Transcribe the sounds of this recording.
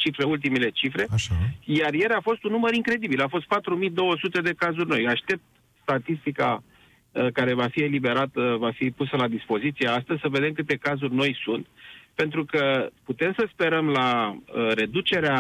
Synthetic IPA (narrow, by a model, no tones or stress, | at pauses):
t͡ʃifɾe̞ult̪̬imele̞t͡ʃifɾe̞aʃajarjelafo̞st̪unːuməɾiŋkɾe̞d̪ibilafo̞st̪̚pat̪ɾumid̪o̞wəsut̪e̞d̪e̞kazurʲno̞jaʃt̪e̞p̚t̪ | st̪at̪ist̪ika | kaɾe̞vafie̞libe̞ɾat̪əvafipusəlad̪ispo̞zit̪siaast̪əzʲsəve̞d̪e̞mkɨt̪e̞kazurʲno̞jsunt̪pe̞nt̪ɾukəput̪e̞msəspe̞ɾəmlaəɾe̞d̪ut͡ʃe̞ɾea